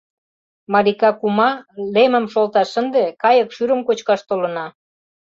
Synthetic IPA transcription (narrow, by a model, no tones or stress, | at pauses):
mɑlikɑkumɑlemə̆mʃolt̪ɑʃənd̪ekɑjə̆kʃyɾə̆mkot͡ɕkɑʃt̪olə̆nɑ